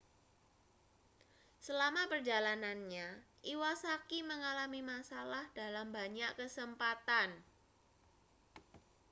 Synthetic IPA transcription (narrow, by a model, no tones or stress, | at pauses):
səlamapərd͡ʒalananɲaʔiwasakiməŋalamimasalahdalambaɲaʔkəsəmpat̪an